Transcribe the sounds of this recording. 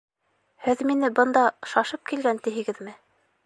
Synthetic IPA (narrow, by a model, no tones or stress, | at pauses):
hɘðminɘbɤ̆nd̪ɑʃɑʃɤp̚kilɡænt̪iɦɘ̆ɡɘðmɘ